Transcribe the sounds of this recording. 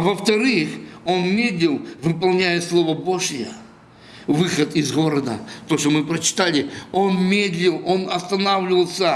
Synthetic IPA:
ɐvəft̪ɐɾɨxo̞nmʲed̪lʲɪlˠvɨpɐlˠnʲæjəslˠo̞vəbo̞ʐjə | vɨxət̪ɪzɣo̞ɾəd̪ə̰t̪oʂt̪omɨpɾət͡ɕɪ̥t̪alʲɪo̞nmʲed̪lʲɪlˠo̞nɐst̪ɐnavlʲɪvəlˠsʲə

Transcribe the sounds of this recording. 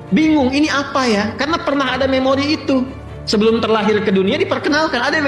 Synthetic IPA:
biŋʊŋiniapajakarnapərnaɦadamemoɾiːt̪u | səbəlʊmt̪ərlaɦɪrkəduniadipərkənalkanada

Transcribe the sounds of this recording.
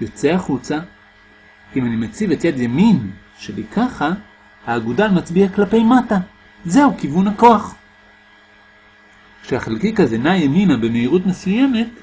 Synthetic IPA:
jo̞t͡seaχut͡sa | imanimet͡sivetjad̪jamin | ʃebikaχa | haːɡudamat͡sbiaklape̞jmata | ze̞hukivunhako̞aχ | kʃehaχelkikazenajeminabemeiʁutmesujeme̞t

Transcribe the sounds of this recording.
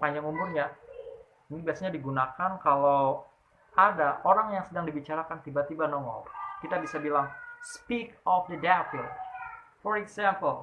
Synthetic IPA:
paɲd͡ʒaŋumbʊrɲa | inibiasaɲadiɡunakankalaw | ʔadaʔoɾaŋjaŋsədaŋdibit͡ʃaɾakant̪ibat̪ibanɔŋɔ̰lkit̪abisabilaŋspikɔfdədafilfɔɾɛɡsampəl

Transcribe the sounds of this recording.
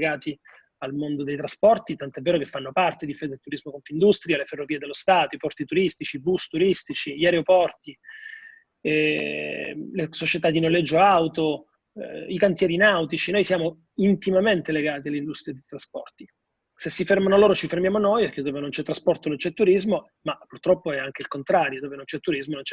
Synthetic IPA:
ɡaːt̪i | almond̪od̪ejt̪ɾaspɔrt̪it̪ant̪oɛvːeːɾokefːanːopart̪eid̪ifed̪et̪uɾizmokonfind̪ust̪ɾialeferːovied̪elːost̪aːt̪oipɔrt̪it̪uɾist̪it͡ʃibust̪uɾist̪it͡ʃiʎiaɾeopɔrt̪i | ɛ | lesot͡ʃet̪ad̪inolːɛd͡ʒːoawt̪o | ikant̪jɛːɾinawt̪it͡ʃinojsjaːmo | int̪imament̪eleɡaːt̪̬ialːind̪ust̪ɾiad̪et̪ɾaspɔ̰rt̪i | sesːifermanoloːɾot͡ʃifermjaːmonojɛk̟ːed̪oːvenont͡ʃɛt̪ːɾaspɔrt̪onont͡ʃɛt̪ːuɾizmo | mapːurt̪ɾɔpːoɛaŋk̟eilkont̪ɾaːɾjod̪oːvenont͡ʃɛt̪ːuɾizmonont͡ʃɛ

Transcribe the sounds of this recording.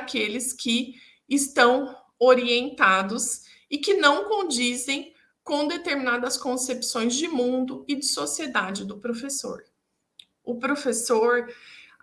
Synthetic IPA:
kelɪskɪː | st̪ɐ̃w̃ | oɾiẽnt̪ad̪ʊs | ɪkɪnɐ̃w̃kõd͡ʒizẽj̃ | kõd̪et̪eɾmĩnad̪ɐskõsepsõj̃zd͡ʒɪmũnd̪ʊɪd͡ʒɪsosied̪ad͡ʒɪd̪ʊpɾofeso̰ɾ | ʊpɾofesoɾ

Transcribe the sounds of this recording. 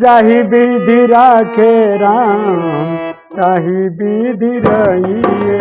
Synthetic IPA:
d͡ʒaɦibid̪ʱiɾakʰeɾam | d͡ʒaɦibid̪ʱiɾaɦi

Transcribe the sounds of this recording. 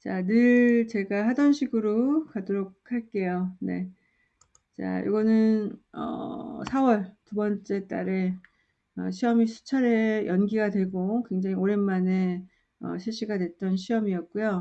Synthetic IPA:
t͡ɕanɯɭt͡ɕe̞ɡahadʌnɕʰiɡɯɾokadoɾok̚ʰhaɭk͈e̞jone̞̰ | t͡ɕa̰jo̰ɡʌnɯnʌ̰sʰawʌɭtubʌnt͡ɕ͈e̞t͈a̰ɾe̞ | ʌɕʰiʌmisʰu̥t͡ɕʰaɾejʌnɡiɡadwe̞ɡokwe̞ŋd͡ʑaŋioɾe̞nmane̞ | ʌɕʰiɭɕ͈iɡadwe̞t͈ʌnɕʰiʌmiʌt̚k͈ujo

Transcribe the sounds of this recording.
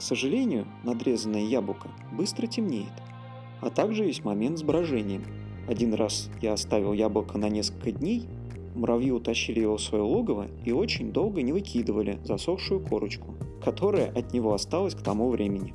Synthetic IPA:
ksəʐɨlʲenʲɪjʊnɐd̪ɾʲe̞zənːəjəjablˠəkə | bɨst̪ɾətʲɪmnʲejɪt̪ | ɐt̪aɡʐɨvʲesʲtʲmɐmʲe̞nt̪zbɾɐʐɛnʲɪjəm | ɐdʲinrasjaɐst̪avʲɪlˠjablˠəkənɐnʲe̞skəlʲkədʲnʲej | mɾʔɐvjiʊt̪ɐɕːilʲɪjɪvosvɐjolˠoɡəvə̰ | io̞t͡ɕɪnʲd̪o̞lˠɡənʲɪvɨkʲʰid̪əvəlʲɪ̰zɐso̞xʂʊjʊkʰo̞ɾət͡ɕkʊ̥kɐt̪o̞ɾəjə̰ʔɐt̪nʲɪvo̞ɐst̪alˠəsʲkt̪ɐmuvɾʲʔemʲɪnʲɪ

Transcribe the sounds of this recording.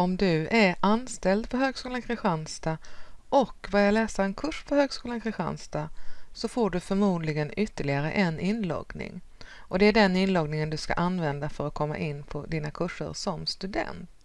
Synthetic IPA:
ɔmd̪ɵæɾanst̪ɛld̪pʰɔɦøːɡskuːlankʰɾɪɧanst̪aʔɔkbœɾjalɛːsaɛnkʰɵʂpʰɔhøːɡskuːlankʰɾɪɧa̰nst̪asɔfoːɖɵfœɾmuːd̪lɪɡənʏt̪ːəɭɪɡaɾə̰ʔɛnɪnːlɔ̰ɡnɪ̰ŋ | ʔɔd̪ɛæɖɛnɪnlɔɡnɪŋənd̪ɵska̰ʔanːvɛnd̪afœɾat̪̚kʰɔmːa̰ʔɪnːpʰɔd̪iːnakʰɵʂːə̰ɾsɔmst̪ɵd̪ɛ̰nt̪

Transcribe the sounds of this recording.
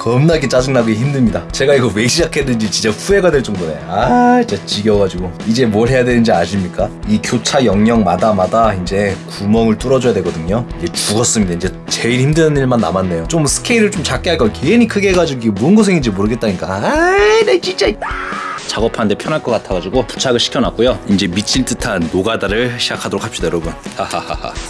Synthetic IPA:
kʌmnaɡet͡ɕ͈ad͡ʑɯŋnaɡeçimdɯmɲidat͡ɕe̞ɡaiɡʌwe̞iɕʰid͡ʑakʰedɯnd͡ʑit͡ɕint͡ɕ͈aɸue̞ɡadwe̞ɭt͡ɕ͈ʌŋdone̞ait͡ɕat͡ɕiɡjʌɡad͡ʑiɡoid͡ʑe̞moɭɦe̞jadwenɯnd͡ʑiaɕʰimɲik͈aikjot͡ɕʰajʌŋɲʌŋmadamadaind͡ʑe̞kumʌŋɯɭt͈ɯɾʌd͡ʑojadwe̞ɡʌdɯɲoind͡ʑe̞t͡ɕuɡʌs͈ɯmɲidaind͡ʑe̞ | t͡ɕeiɾhimdɯnɯniɭmanːa̰manːe̞jot͡ɕ͈omsʰɯ̥kʰeiɾɯɭt͡ɕomt͡ɕak͈eɦaɭk͈ʌkʰeenikʰɯɡe̞ɡad͡ʑiɡoiɡemuɯnɡʌs̬ʰeŋind͡ʑe̞moɾɯɡet̚t͈aɲik͈aanet͡ɕint͡ɕ͈ait͈ḁt͡ɕaɡʌpʰanɯndʰepʰjʌnɦaɭk͈ʌk͈atʰʌɡad͡ʑiɡopu̥t͡ɕʰaɡɯɭɕʰi̥kʰjʌnak͈ojoind͡ʑe̞mit͡ɕʰiɭt͈ɯtʰanːoɡadaɾɯɭɕʰid͡ʑakʰadoɾokʰapɕ͈id̥ajoɾʌbunhahaha̰ha̰

